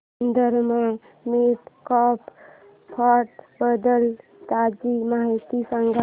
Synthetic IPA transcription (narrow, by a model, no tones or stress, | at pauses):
nd̪əɾma | meːt̪kɔːp | pʰaʈbəd̪əlt̪aːd͡ʒimaɦit̪isəŋɡ